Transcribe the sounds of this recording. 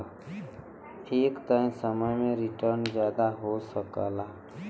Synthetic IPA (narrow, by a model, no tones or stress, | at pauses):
eːkt̪ãɪmsəməjmẽɾɪʈəɾnd͡ʒjaːd̪aɦosəka̰la